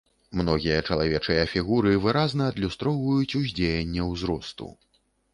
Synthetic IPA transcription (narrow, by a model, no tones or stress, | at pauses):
mnɔɣʲijɐt͡ʂɐlˠavʲɛt͡ʂɨjɐfʲiɣuɾɨvɨɾaznɐːd̪lʲust̪ɾɔwvɐjut͡sʲuzʲd͡zʲejɛnʲːɛwzɾɔst̪ṵ